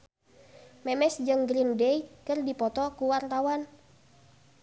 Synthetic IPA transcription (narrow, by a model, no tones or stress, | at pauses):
mɛmɛsd͡ʒəŋɡɾindɛikɨrdipɔt̪ɔkuwart̪awan